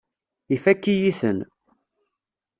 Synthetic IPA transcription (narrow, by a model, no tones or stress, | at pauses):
ifækːijiθən